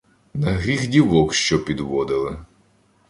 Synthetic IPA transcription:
nɐɦɾʲixdʲiʋɔkʃt͡ʃɔpʲid̪ʋɔd̪ɪlˠɪ

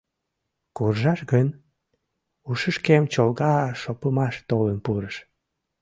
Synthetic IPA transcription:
kurʒɑʃɣən | uʃəʃkemt͡ɕolɣɑʃopəmɑʃt̪olənpuɾəʃ

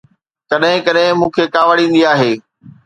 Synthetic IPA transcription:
kɐɗɦɪ̃kɐɗɦɪ̃mũːkʰeːkaːʋəɽĩːn̆d̪iaːɦeː

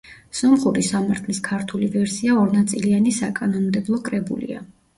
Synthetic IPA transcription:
sɔmχuɾisamaɾt̪ʰliskʰaɾt̪ʰulivɛɾsiaɔɾnat̪sʼilianisakʼanɔnmd̪ɛblˠɔkʼɾɛbṵlḭa̰

